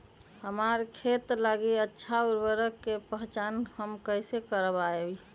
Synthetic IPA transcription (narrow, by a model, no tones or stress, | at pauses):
həmaːɾkʰeːt̪laɡiətːʃʰaʊɾbəɾəkːepəɦt͡ʃaːnhəmkəɪsekəɾəbaei